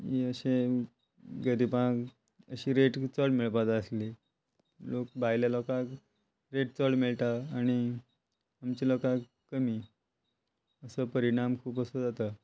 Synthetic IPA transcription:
iəɕe | ɡəɾipã | ə̰ɕiːɾeʈt͡səɽmiɭpat̪əsli | lok̚bʱajljalɔkak | ɾeʈ̚t͡səɽmiɭt̪aːɽ̃i | amt͡ɕilɔka | kəmiː | əsəpəɾiɽ̃amkʰuːpəsəd͡zat̪a

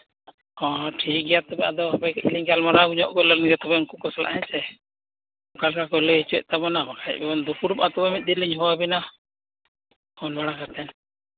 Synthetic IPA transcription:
kɔ̃ʈʰik̚ɡɛjat̪ɔbɛad̪ɔabɛkɛḭliɲɡalmaɾaɡuɲɔʔkɔlɔnɡɛt̪ɔbɛɔnkukɔsla̰ʔɦɛ̃t͡ʃɛ | kalkakɔlɛit͡ʃɛ̰ʔ̚t̪abɔnabakaɛt̪̚bɛɔnd̪upʰuɽupat̪ɔbɛmit̪̚ˀd̪iɾliɲɦɔwabina | kɔnbaɽakat̪ɛn

